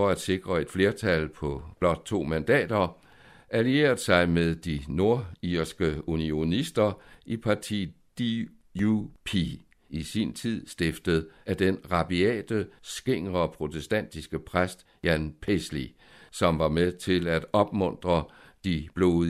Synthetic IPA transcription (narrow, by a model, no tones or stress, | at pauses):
ɒ̽æd̥se̝ɡ̥ʁɐe̝d̥fle̝ːɐt͡sʰælpʰɒ̽b̥lɒ̽d̥̚t͡sʰo̝̰ːmænd̥ɛ̰ːd̥ɐ | ælie̝̰ːɐð̩ˠsɑ̈ɪmeðˠd̥ino̝ɐiɐsɡ̥əunio̝nisd̥ɐipʰɑ̈t͡sʰḭː | d̥i | upʰi | isint͡sʰið̰ˠsd̥e̝fd̥əð̩ˠæd̥enʁɑ̈b̥iɛ̰ːd̥əsɡ̥e̝ŋ̰ʁɐpʰʁo̝t͡sʰesd̥æn̰d̥isɡ̥əpʰʁasd̥ | jænpʰesli | sɒ̽mʋɑ̈meðˠt͡sʰe̝læd̥ɒ̽b̥mɔ̽n̰d̥ʁɐ | d̥ib̥lo̝̰ː